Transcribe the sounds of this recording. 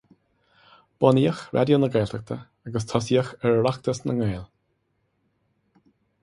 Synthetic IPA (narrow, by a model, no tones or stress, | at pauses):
b̥ɔniːəxɾʔa̰d̪jonəɡɛːɬtʰək̚t̪ʰə | aɡəs̬t̪ʰɔsiːəxɛɹlaxt̪əsnəŋɛeːl